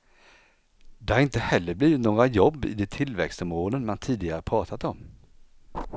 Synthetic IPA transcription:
d̪ɛhaɾɪnt̪əhɛlːəbliːɪt̪noːɡɾajɔbːɪ̰d̪ɛt̪ʰɪlvɛ̰kst̪ɔmoːlənmant̪ʰiːd̪ɪɡaɾəpʰɾɑːt̪ʰat̪ɔm

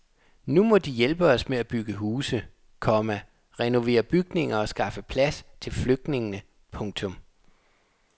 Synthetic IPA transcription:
numɒ̽d̥ijelb̥əɒ̽smeæb̥yɡ̥əɦuːsə | kʰɒ̽mæ | ʁɛno̝ʋe̝̰ːɐb̥yɡ̥ne̝ŋɐɒ̽sɡ̥ɑ̈fəpʰlæst͡sʰe̝lfløɡ̥̚d̥ne̝ŋnə | pʰɔ̽ŋ̰t͡sʰɔ̽m

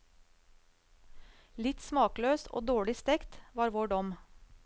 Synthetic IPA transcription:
lɪt̪smɑːkløːsʔo̰ːd̪oːɭɪst̪ɛkt̪ʋɑːɾʋoːɖɔm

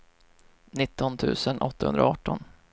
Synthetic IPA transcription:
nɪt̪ːɔnt̪ʰʉ̟̰ːsənʔɔ̰t̪ːahɵ̰nd̪ɾaɑːʈːɔ̰n

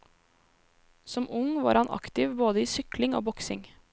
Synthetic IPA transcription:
sɔmʊŋʋɑ̰ːɾhɑnʔɑ̰kt̪ɪʋboːd̪əiːsʏklɪŋo̰ːbɔksɪ̰ŋ

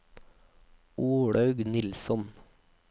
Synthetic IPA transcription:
uːɽɑʉɡnɪlsɔn

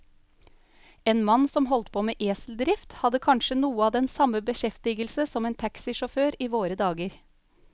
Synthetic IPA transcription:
eːnmɑnsɔmɦɔlt̪pʰoːmeːʔeːsl̩d̪ɾɪft̪hɑd̪əkʰɑnʃənuːəɑːd̪ɛnsɑməbəʃɛft̪ɪɡəlsəsɔmeːnt̪ʰæksɪʃɔføːɾiːʋoːɾəd̪ɑːɡəɾ

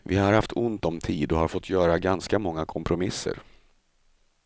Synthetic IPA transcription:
vɪhaɾhaft̪ʰʊnt̪ɔmt̪ʰiːd̪ɔhaɾfɔt̪ʰːjœːɾaɡanskamɔŋːakʰɔmpʰɾʊmɪsːə̰ɾ

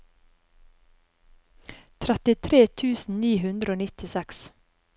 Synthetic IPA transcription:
t̪ʰɾɛt̪ɪt̪ʰɾeːt̪ʰʉːsn̩niːhʉnd̪ɾəoːnɪt̪ɪsɛks

